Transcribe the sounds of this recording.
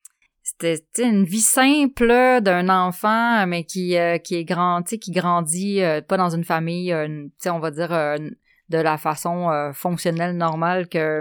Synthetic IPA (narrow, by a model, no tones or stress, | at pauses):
se̥t̪ɛt͡seynvisɛ̃pləd̪ɛ̃nɑ̃ːfɑ̃mɛkʲiøkʲiɛɡʁɑ̃t͡sekʲiɡʁɑ̃d͡z̪iøpɔd̪ɑ̃zynfamijøt͡seɔ̃vad̪d͡ziːʁø | d̪əlafasɔ̃øfɔ̃ksjɔnɛlnɔʁmalkʲə